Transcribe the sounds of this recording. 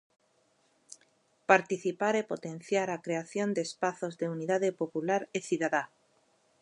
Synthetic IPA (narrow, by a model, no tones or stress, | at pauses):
paɾt̪iθipaɾepo̞t̪e̞nθjaɾakɾe̞aθjo̞nd̪eːspaθo̞zðe̞uniðaðepo̞pulaɾeθjuðaða